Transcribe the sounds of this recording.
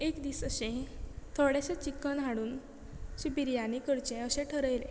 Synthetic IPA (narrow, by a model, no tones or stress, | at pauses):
ekd̪iːsəɕẽt̪ʰoɽeɕet͡ɕikːənɦaɽuːn | ɕipiɾjanikəɾt͡ɕẽəɕẽʈʰəɾəjlẽ